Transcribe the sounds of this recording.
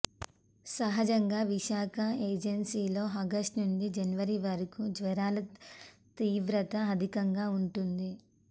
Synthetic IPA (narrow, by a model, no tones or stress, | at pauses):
sɐɦɐd͡ʒɐŋɡaːʋiʃaːkʰɐeːd͡ʒɐnsiːlo̞ːɐɡɐsʈnund͡ʒid͡ʒɐnʋɐɾiʋɐɾikud͡ʒʋɐɾaːlɐt̪iːʋɾɐt̪ɐːd̪ʱikɐŋɡaːuɳʈund̪i